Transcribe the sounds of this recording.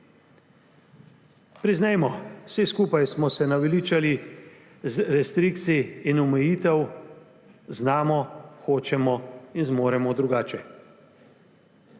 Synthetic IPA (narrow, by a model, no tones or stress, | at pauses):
pɾiznɛjmɔsiskuːpajsmɔsɛnaʋɛliːt͡ʃali | zɾɛst̪ɾiːkt̪siːnumɛjiːt̪ɛw | znaːmɔxoːt͡ʃɛmɔinzmoːɾɛmɔd̪ɾuɡaːt͡ʃɛ